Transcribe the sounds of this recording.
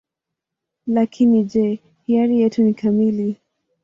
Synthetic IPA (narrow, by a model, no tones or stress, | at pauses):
lakʰinid͡ʒɛ | hiaɾijɛtunikʰamili